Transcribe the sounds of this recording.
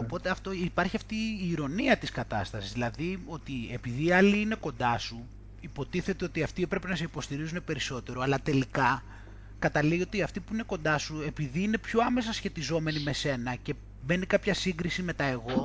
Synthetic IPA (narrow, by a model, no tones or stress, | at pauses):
opo̞t̪e̞ɐft̪o̞ipɐɾçiɐft̪iːɾo̞niɐt̪iskɐt̪ɐst̪ɐsizðilɐðio̞t̪ie̞piðiɐliine̞ko̞nd̪ɐsu | ipo̞t̪iθe̞t̪eo̞t̪iɐft̪iepɾepe̞nɐse̞ipo̞st̪iɾizunepe̞ɾiso̞t̪e̞ɾo̞ɐlɐt̪e̞likɐ | kɐt̪ɐliio̞t̪iɐft̪ipuine̞ko̞nd̪ɐsue̞piðiine̞pço̞ɐme̞sɐsçe̞t̪izo̞me̞nimese̞nɐce̞ | me̞nikɐpçɐsiŋɡɾisime̞t̪ɐe̞ɣo̞